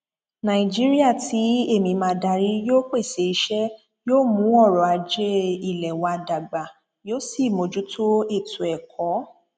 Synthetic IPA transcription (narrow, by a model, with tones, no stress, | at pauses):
nã˧˨i˨d͡ʒi˦ɾi˦a˦˨tʰi˨˦e˦˨mĩ˧mãː˧˦da˨˧˦ɾi˦joː˦k͡pe˦˨se˨˧i˧˦ʃɛ˦ | joː˦mũ˨˦ɔ˦˨ɾɔ˨a˧d͡ʒe˦i˦˨lɛ˨wa˧da˨ɡ͡ba˨ | joː˦si˦˨mo˧d͡ʒu˨˦tʰo˦e˦˨tu˨ɛ˨kʰɔ˨˦